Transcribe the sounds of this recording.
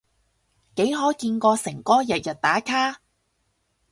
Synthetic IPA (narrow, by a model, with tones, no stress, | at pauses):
ke˨˥jɦɔː˨˥kiː˧nkɔː˧sɪ˨˩ŋkɔː˥jɛ˨t̚jɐ˨t̚t̪aː˨˥kʰaː˥